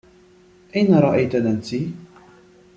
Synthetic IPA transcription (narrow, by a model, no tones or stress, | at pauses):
ʔajnaɾˤɑʔajt̪alansi